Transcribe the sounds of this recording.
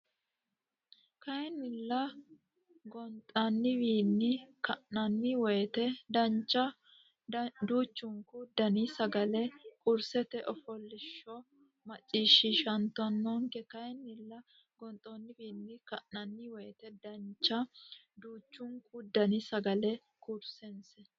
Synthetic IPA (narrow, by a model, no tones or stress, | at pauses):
kɐjɛnːɪlːɐ | ɡɔnt̪ʼɐnːɪbiːnːɪkɐʔnɐnːɪwɔjɛt̪ɛd̪ɐnt͡ʃːɐ | d̪uːt͡ʃːʊŋkʊd̪ːɐnɪsɐɡɐlɛkʼʊɾsɛt̪ɛʔɔfɔlːɪʃːɔ | mɐt͡ʃʼːiːʃːɪʃɐnt̪ːʊɐnːoŋkɛkɐjɛnːɪlːɐ | ɡɔnt̪ʼoːnːɪbiːnːɪkɐʔnɐnːɪwɔjɛt̪ɛd̪ɐnt͡ʃːɐ | d̪uːt͡ʃːʊŋkʊd̪ːɐnɪsɐɡɐlɛ | kʼʊɾsɛnsɛ